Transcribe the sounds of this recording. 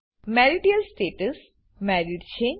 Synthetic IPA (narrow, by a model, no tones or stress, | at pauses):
mɛɾiɖiəlsʈeːʈəs | mɛːɾiɖt͡ʃʰẽː